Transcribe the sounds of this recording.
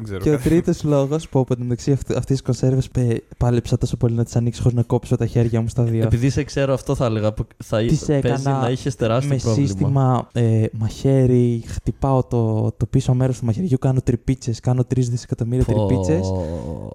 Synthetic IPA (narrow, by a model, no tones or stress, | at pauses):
ɡzeɾceot̪ɾit̪oslo̞ɣo̞spuoponneksiɐɐft̪isisko̞nse̞ɾvespepɐlepsɐt̪o̞so̞po̞linɐt̪i̥sɐnikso̥xoɾiznɐko̞pso̞t̪ɐçe̞ɾʝɐmost̪ɐðieopiðisekseɾoɐft̪oθɐleɣɐpoθɐt̪isekɐnɐɐiçest̪eɾɐsmmesɾoissmt̪imɐemɐçe̞ɾixt̪ipɐo̞t̪ot̪o̞pisomeɾo̞st̪umɐçe̞ɾʝukɐno̞t̪ɾipit͡se̞skɐno̞t̪ɾizðisekɐt̪o̞miɾiɐt̪ɾipit͡se̞s